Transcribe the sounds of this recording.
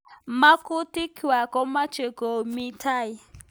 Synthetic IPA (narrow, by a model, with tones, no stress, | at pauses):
ma˦ku˦ti˦kʰi˨wa˨kɔ˦ma˦t͡ʃe˨kɔ˨mi˦tʰa˦˨i˨